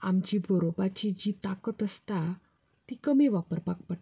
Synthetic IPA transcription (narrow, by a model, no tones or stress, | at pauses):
amt͡ɕibʱəɾobat͡ɕid͡ʑit̪akət̪əst̪a | t̪ikəmiʋapəɾpak̚pəɽ